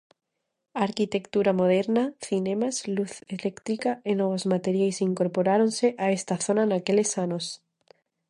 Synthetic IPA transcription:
aɾkit̪e̞kt̪uɾamo̞ð̞eɾnaθinẽmasluθelekt̪ɾikaenoβozmat̪eɾjajsiŋko̞ɾpo̞ɾaɾo̞nse̞ʔae̞st̪aθo̞nanakele̞sano̞s

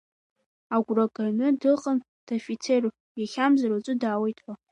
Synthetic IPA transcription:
aɡʷrakʼanɨdɨqʼən | d̥ofit͡sʰe̞r | jaχʲamzaɾat͡sʷʼʊdaːwejtʰʼħʷa

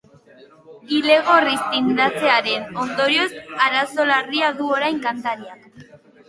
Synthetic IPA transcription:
ile̞ɣ̞o̞rist̪ind̪at͡se̞aɾe̞no̞nd̪o̞ɾio̞saɾaso̞lariaðuo̞ɾajŋkant̪aɾiak

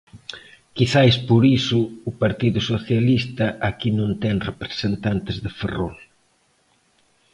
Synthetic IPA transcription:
kiθaespoɾisʊːpaɾt̪iðusoθjalist̪ɐʔakinõnt̪ɛŋrepɾe̥sent̪ant̪ɪzðefero̰l

